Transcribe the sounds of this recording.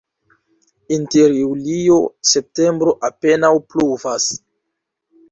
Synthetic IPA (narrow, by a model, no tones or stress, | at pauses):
inteɾjulio̞se̞p̚te̞mbɾo̞ʔape̞nawpluvas